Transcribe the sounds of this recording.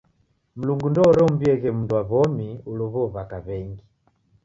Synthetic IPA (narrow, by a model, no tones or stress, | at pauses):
m̩luŋɡundɔɾɔmbiɛɣɛmunduwaβɔmiulɔβɔβakaβɛŋɡi